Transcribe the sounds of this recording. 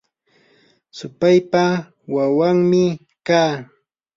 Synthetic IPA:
sʊpajpa | wawaŋmɪ | kaː

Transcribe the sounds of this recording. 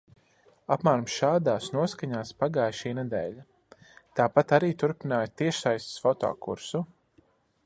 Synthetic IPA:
apmaːɾmsʃaːd̪aːsnuɔskaɲaːspaɡaːjʃiːnɛd̪ɛ̰ːʎa | t̪aːpat̪aɾiːt̪uɾpinaːjt̪iɛʃsajst̪sfɔt̪ɔ̰ːkṵɾsu

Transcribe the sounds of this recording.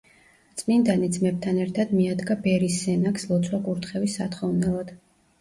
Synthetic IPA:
t̪sʼmind̪anid̪zmɛb̚t̪ʰanɛɾt̪ʰad̪miad̪ɡabɛɾisːɛnakslˠɔt̪sʰwakʼuɾt̪ʰχɛvisːat̪χɔvnɛlˠad̪̥

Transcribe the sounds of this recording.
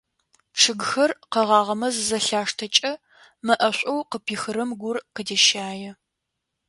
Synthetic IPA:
ʂɨɡxɐrqɐʁɑːʁɐmɐzɨzɐɬaːʂtʰɐt͡ʃʼɐ | mɐʔɐɕʷʼowqəpʰiːxɨɾɐmɡʷʊrqədeʃaːjɛ

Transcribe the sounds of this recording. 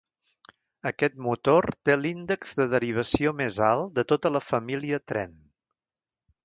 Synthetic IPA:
əkɛt̪̚mut̪ort̪elind̪əɡz̥ðəð̞əɾiβ̞əsiomezalˠd̪ət̪ot̪ələfəmiliət̪ɾɛ̰n

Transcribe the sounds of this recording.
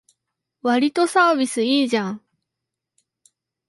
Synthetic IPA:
βaɾʲit̪osaːbʲisɨiːʑãŋ

